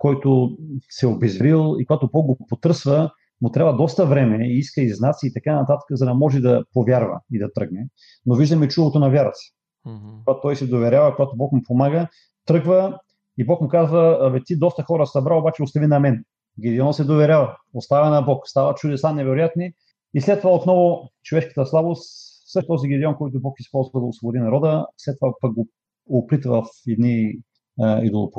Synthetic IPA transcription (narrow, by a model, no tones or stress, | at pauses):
kɔjt̪ʊsɛobɛzvɾilˠḭkoɡat̪obɔk̚ɡopot̪ɤɾsvə | mʊt̪ɾʲavɐd̪ɔst̪əvɾɛmɛiiskəiznat̪siːt̪ɐkanɐt̪at̪ə̥kəzɐd̪ɐmɔʒɛd̪ɐpovʲjaɾvə̰id̪ɐt̪ɾɤɡnɛ | noviʒd̪ɐmɛt͡ʃulˠot̪onɐvʲjaɾɐt̪si̥ | t̪vat̪ɔjsɛd̪ovɛɾʲavɐkoɡat̪obɔkmʊpomaɡə | t̪ɾɤɡvə | ibɔkmʊkazvəːvit̪id̪ɔst̪əxɔɾəsɐbɾaobat͡ʃɛost̪ɐvinɐmɛn | ɡʲɛd̪ɛɔnsɛd̪ovɛɾʲavɐost̪avɛnɐbɔkst̪avɐt͡ʃʊd̪ɛsanɛvɛɾojat̪ni | islɛt̪ːovaot̪nɔvʊt͡ʃovɛʃkə̥t̪əslˠabost̪ | sɤʃt̪ɔziɡʲid̪ɛɔnkɔjt̪ʊbɔkispɔlˠzvɐd̪ɐosvˠobod̪inɐɾɔd̪əslɛt̪ːovapak̚ɡo | opɾit̪vɐfɛd̪ni | ḭd̪olˠo̰po